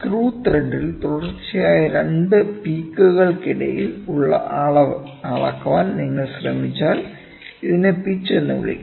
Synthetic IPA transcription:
kruːt̪reɳɖilt̪uɽɐrt͡ɕːijaːjɐɾeɳɖɨpiːkːuɣɐɭkiɽɐ̰jiluɭːɐ̰ʔaːɭɐʋ | aːɭɐ̰kːɐʋaːnniŋːɐɭɕrɐmit͡ɕːaːl | iðinepit͡ɕːenːṵʋḭɭḭkː

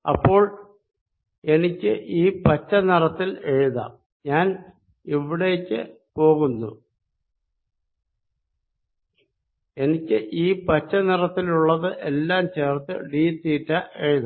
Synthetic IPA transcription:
ɐpːo̞ːɭ | e̞nikʲːɨʔiːpɐt͡ɕːɐnirɐt̪ːile̞ɻuðɐ̰ | ɲaːn | iʋiɽe̞ːkʲːɨ̰ | po̞ːɣunːṵ | e̞nikʲːɨʔiːpɐt͡ɕːɐnirɐt̪ːiluɭːɐðɨʔelːaːmt͡ɕeːrt̪ːɨ̰ɖiːt̪ːiːtːɐʔe̞ɻuðɐ

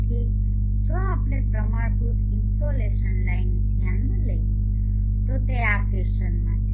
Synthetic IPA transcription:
ʈ̪ʰi | d͡ʒõapɳepɾəmaɳt̪u | ɪnsoleʃənlaind̪ʱjanːə̃ləi | t̪ot̪eafiʃənmãtʰe

